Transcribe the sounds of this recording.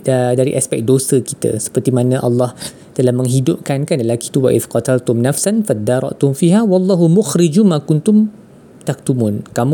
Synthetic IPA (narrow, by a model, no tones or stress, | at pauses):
daɾḭʔaspɛk̚dosəkit̪a̰sə̥pərt̪imanãʔɑ̰lːɑh | t̪əlahmə̃ŋɦidʊp̚kankanləlaki̥t̪uwaʔɪ̰fqɑt̪alt̪ʊmnafsanfad̪aɾˤɑ̰ʔt̪ʊmfiɦawɑlˤːɑːɦumʊxɾid͡ʒumãkʊnt̪ʊm | t̪ak̚t̪umunkam